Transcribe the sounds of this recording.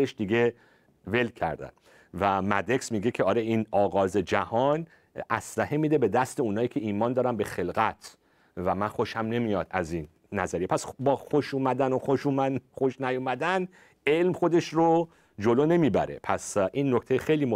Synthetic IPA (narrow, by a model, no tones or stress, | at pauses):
eʃd̪iɡe̞ | ve̞lkʰæ̰ɾd̪æ̰n | væmæd̪e̞ksmiːɡecʰeɒːɾeinɒːɣɒːze̞d͡ʒæhɒn | ʔæslæhemiːd̪e̞be̞d̪æst̪e̞unɒːjiːcʰʲe̞iːmɒːnd̪ɒːɾæmbe̞xe̞lɣæt̪ʰ | væmænxo̞ʃhæmne̞mijɒːd̪æzinː | æzæɾijepʰæsbɒːxoʃuːmæd̪ænoxoʃuːmæxoʃnæjomæd̪æn | e̞lmxo̞d̪e̞ʃro | d͡ʒoloːne̞miːbæ̰ɾe̞̰pʰæsʔinːokʰt̪ejxejliːmo